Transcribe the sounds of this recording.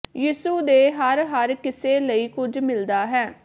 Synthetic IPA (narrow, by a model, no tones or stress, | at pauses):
jiːsuːd̪eːɦəɾɦəɾkɪseːləiːkʊd͡ʒmɪld̪aːɦɛː